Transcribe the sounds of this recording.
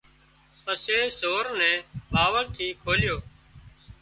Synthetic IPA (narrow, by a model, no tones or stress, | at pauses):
pəseːsoːɾnɛ̃ːbaːʋəɾt̪ʰiːkʰoːlɪjoː